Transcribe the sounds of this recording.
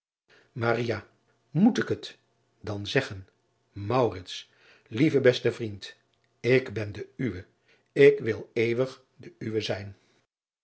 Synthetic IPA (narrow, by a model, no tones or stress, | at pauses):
marija | mutɪkɦət | dɑnzɛχən | mɑwrɪts | livəbɛstəvrint | ɪkbɛndəyʋə | ɪkʋɪlˠejʋəχ | dəyʋəzɛjn